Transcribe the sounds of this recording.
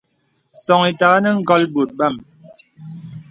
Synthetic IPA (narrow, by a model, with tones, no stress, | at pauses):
sɔ˨ŋi˨ta˨ɣa˦nə˦ŋ̩˦ɡɔ˦lbo˨t̚ba˦˨m